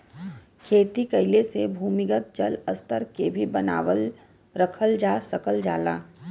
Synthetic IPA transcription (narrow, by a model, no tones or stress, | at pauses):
kʰeːt̪ikəɪlesebʱuːmɪkət̪̚d͡ʒələst̪əɾkebʱibəna̰ːʋəl | ɾəkʰəld͡ʒaːsəkəld͡ʒaːla̰ː